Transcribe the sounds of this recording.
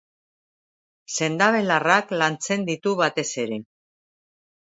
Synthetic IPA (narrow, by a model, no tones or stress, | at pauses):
se̞nd̪aβe̞laraklant͡se̞nd̪it̪uβat̪e̞se̞ɾe̞